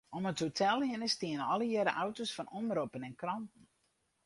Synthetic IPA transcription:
ɔməthotʰɛlˠhɪnəstiənəɔlˠəjɛɾəʔawtosfɔnɔmropənɛnkrɑntən̩

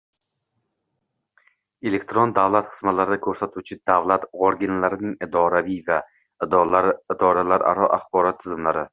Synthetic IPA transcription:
e̞le̞kʲt̪ɾond̪avlˠat̪χɨ̥zmalaɾɪd̪akʲʰɵɾsat̪ʰuwt͡ʃʰɪd̪avlat̪oɾɡʲɪnlaɾɪnɪŋɪd̪ɒɾavijva | ɾɪd̪ɒɾalaɾʔa̰ɾɒʔaχbɒɾɒt̪ʰːɪzɪmlaɾɪ

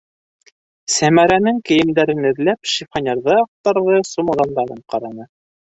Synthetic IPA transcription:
sæmæɾænɘŋkɘ̆jɘ̆md̪æɾɘnɘ̆ðlæpʃifχɑnʲeɾðɤɑq̚t̪ːɑɾðɤsumŭɾɑnd̪ɑɾɤɴqɑɾɑnɤ

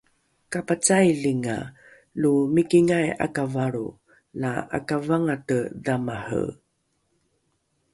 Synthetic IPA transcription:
kapat͡sajliŋa̰ | lumikiŋaja̰kavaɾṵ | laa̰kavaŋatədamahə̰

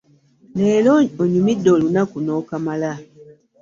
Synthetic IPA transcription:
leːlooɲumidːo̞ːlunakuno̞ːkamala

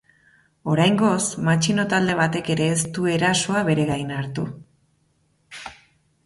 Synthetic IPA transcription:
o̞ɾajŋɡo̞smat͡ʃino̞t̪ald̪e̞β̞at̪e̞ke̞ɾe̞ːst̪ue̞ɾaso̞aβe̞ɾe̞ɣajnaɾt̪u

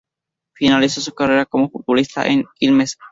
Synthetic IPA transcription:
finalisosukareɾakomofut̪̚bulist̪a̰ʔenilmes

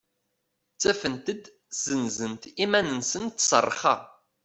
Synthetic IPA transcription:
t͡sːæfənt̪əd̪ | z̥ənzənt̪imænənsənt̪ːsˤə̰rˤːχɑ̰

